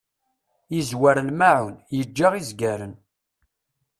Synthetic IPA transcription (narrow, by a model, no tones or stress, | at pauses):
izwaɾlmaʕunjəd͡ʒːaʁizɡæɾən